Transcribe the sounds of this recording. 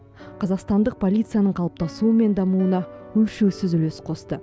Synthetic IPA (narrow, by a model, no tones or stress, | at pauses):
qʰɑzɑqst̪ɑnd̪əq̚pʰo̞lʲijt̪sɨjanəɴqʰɑlˠəp̚t̪ɑsuəme̞nd̪ɑmuənɑwɵlʃewsɪzʏlesqʰo̞st̪ə